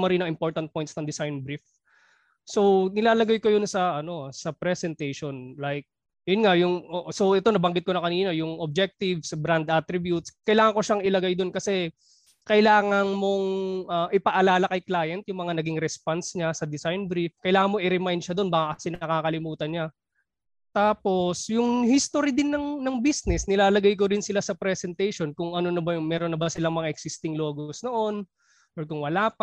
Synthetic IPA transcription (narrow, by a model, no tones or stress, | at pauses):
mɐɾinɐŋɪmpo̞ɹt̪ɐn̚po̞jnt̪snɐŋd̪ɪsajnbɾif | so̞wnɪlaːlɐɡajkojonsɐʔɐno̞sɐpɾɛsɛnt̪ɛjʃonlajk̚ | jʊnŋajʊŋʔoʔso̞wʔɛt̪o̞nɐbɐŋɡɪt̪̚konɐkɐniːnojʊŋʔob̚d͡ʒɛk̚t̪ɪvsbɾand̪ʔat̪ɾɪbjut̪skɐjlaːŋɐŋko̞ʃaŋɪlɐɡajd̪o̞nkɐsɛ | kɐʔɪlaːŋɐnmo̞ŋʔɐʔɪpɐʔɐlaːlɐkɐjklaːjɐnt̪̚jʊŋmɐŋanɐɡiŋɾɛspansɲasɐd̪ɪsajnbɾifkɐjlaːŋɐnmoʔɪɾɛmajnd̪̚ʃɐd̪o̞nbaːkɐkɐsɛnɐkaːkɐlɪmuːt̪ɐnɲa | t̪aːpo̞sjʊŋhist̪oɾid̪ɪnːɐŋnɐŋbisnɛsnɪlaːlɐɡajk̬oɾɪnsɪlasɐpɾɛsɛnt̪ɛjʃo̞nkʊŋʔɐnonɐbɐjʊŋmɛːɾonːɐbɐsɪlaŋmɐŋaʔɛksɪst̪ɪŋlo̞ːɡosno̞ʔo̞n | ʔoɹkʊŋwɐlaːp